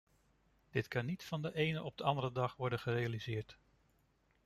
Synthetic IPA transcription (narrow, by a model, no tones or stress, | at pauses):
d̥ɪtkɑnːitfɑndəʔejnəʔɔb̚dəɑndərɾədɑχʋɔɹdəχərejalizɪːɹt